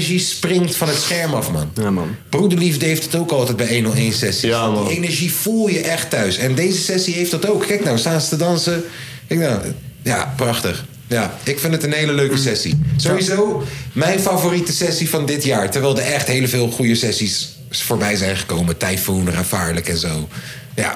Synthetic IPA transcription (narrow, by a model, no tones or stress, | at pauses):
ʒisprɪŋtfɑnɦətsχɛɹmɑfmɑ̰nnb̥rudəɹlivdəɦejftətowkɑlˠtɛjd̚bɛjejnɔlejnsɛsienɛɹʒiv̥ulˠjəʔɛχtœɥsɛndejzəsɛsiɦejfdɑtowkkɛjk̚nawsaːnstədɑnsə | kɛjk̚naw | jaːprɑχtəχ | jaːɪkfɪndətənɦejləløɥkəsɛsḭzowizowmɛjnfavoːritəsɛsivɑndɪtjaːɹtɛɹʋɛjlˠdəɹʔɛχtɦejləvɪːlˠχujəsɛsis | foːɹbɛjzɛjnχə̥kowmətajfunratfaːɹləkɛnzow | ja̰ː